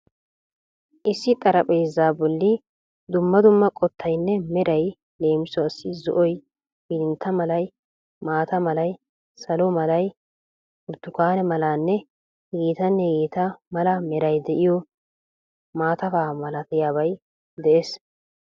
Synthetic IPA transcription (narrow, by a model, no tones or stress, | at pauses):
ʔɪsːɪt̪ʼɐɾɐpʼejzːaːbɔlːɪ | d̪ʊmːɐd̪ʊmːɐkʼɔt̪ʰːɐjnːɛmɛɾɐj | le̞ːmɪsɔɐsːɪzɔ̰ʔɔj | bɪd̪ɪnt̪ʰːɐmɐlɐj | maːt̪ɐmɐlɐj | sɐlɔmɐlɐj | ʊɾd̪ːʊkaːnɛmɐlaːnːɛ | ɡiːt̪ɐnːɛɡiːt̪ɐmɐlɐmɛɾɐjd̪ɛʔɪjɔ | maːt̪ɐfaːmɐlɐt̪ɪjaːβɐj | d̪ɛʔeːs